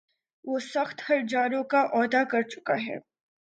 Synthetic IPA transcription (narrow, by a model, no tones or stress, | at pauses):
ʋoːsɐxt̪hɐɾd͡ʒaːɾõkaʔɔːd̪akɐɾt͡ʃʊ̥ka̰ɦɛ̰ː